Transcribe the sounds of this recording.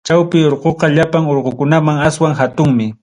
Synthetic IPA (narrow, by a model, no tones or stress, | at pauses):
t͡ʃawpɪoɾqoqɑʎapaŋoɾqokʊnamaŋaswaŋhat̪ʊŋmɪ